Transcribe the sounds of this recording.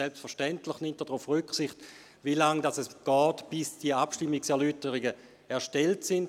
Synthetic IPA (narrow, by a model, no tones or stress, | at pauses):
ɛlpstfɛɐʃtɛntləχnɪmtdɛdʁufʁʏksɪχt | vilaŋdasɛsɡ̥ɔːtb̥ɪsd̥iəapʃtɪmːɪksɛɐlytəʁɪɡə | ɛɐʃtɛltsɪnd